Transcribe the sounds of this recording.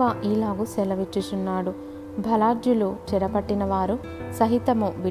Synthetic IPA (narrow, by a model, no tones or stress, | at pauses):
aːʔiːlaːɡusɛlɐʋit͡ʃːit͡ʃunːaːɽu | bʱɐlaːd͡ʒjulut͡ʃɛɾɐpɐʈːinɐʋaːɾu | sɐɦit̪ɐmuʋi